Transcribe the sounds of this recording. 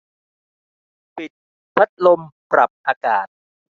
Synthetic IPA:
pi˨˩t̪̚ | pʰa˦˥t̪̚lo˧mpɾa˨˩p̚ʔaː˧kaː˨˩t̪̚

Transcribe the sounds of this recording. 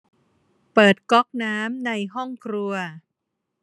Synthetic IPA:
pɤː˨˩t̪̚kɔ˦˥k̚naː˦˥mna˧jɦɔ˥˩ŋkʰɾu˧ɐ

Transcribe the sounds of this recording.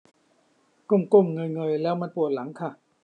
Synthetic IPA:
ko˥˩mko˥˩mŋɤ˧jŋɤː˧jlɛː˦˥wmaː˧npu˨˩ət̪̚la˩˦ŋkʰa˥˩

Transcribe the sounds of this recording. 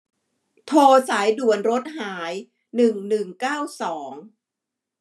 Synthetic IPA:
t̪ʰoː˧saː˩˦jdu˨˩ənɾo˦˥t̪̚haː˩˦j | nɯ˨˩ŋnɯ˨˩ŋkaː˥˩wsɔː˩˦ŋ

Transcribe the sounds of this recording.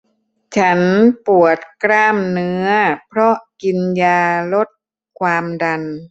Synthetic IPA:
t͡ɕʰa˦˥npu˨˩ət̪̚kɾaː˥˩mnɯ˦˥˦ɐpʰɾɔ˦˥ʔki˧njaː˧lo˦˥t̪̚ | kʰwaː˧mda˧n

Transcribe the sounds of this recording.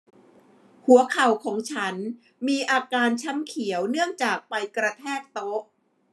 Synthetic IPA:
hu˩˦ɐkʰa˨˩wkʰɔː˩˦ŋt͡ɕʰa˦˥n | miː˧ʔaː˧kaː˧nt͡ɕʰa˦˥mkʰi˩˦əwnɯ˥˩əŋt͡ɕaː˨˩k̚pa˧jkɾa˧t̪ʰɛː˥˩k̚t̪o˦˥

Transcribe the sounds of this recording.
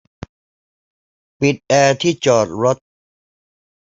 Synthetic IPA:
pi˨˩t̪̚ʔɛː˧t̪ʰiː˥˩t͡ɕɔː˨˩t̪̚ɾo˦˥t̪̚

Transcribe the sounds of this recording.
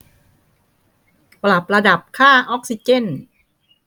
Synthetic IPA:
pla˨˩p̚ɾa˧da˨˩p̚kʰaː˥˩ʔɔ˦˥k̚si˧˦t͡ɕe˥˩n

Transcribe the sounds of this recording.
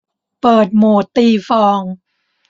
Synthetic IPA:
pɤː˨˩t̪̚moː˨˩t̪iː˧fɔː˧ŋ

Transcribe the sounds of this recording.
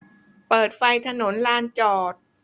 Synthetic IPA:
pɤː˨˩t̪̚fa˧jt̪ʰa˧no˩˦nlaː˧nt͡ɕɔː˨˩t̪̚

